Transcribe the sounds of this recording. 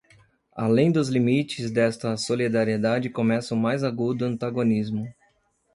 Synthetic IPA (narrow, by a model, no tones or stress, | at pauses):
a̰lẽj̃d̪ʊzlimit͡ʃɪzd̪ɛst̪ɐsolid̪aɾied̪ad͡ʒɪkomɛsɐʊmajzaɡud̪ʊɐ̃nt̪aɡonizmʊ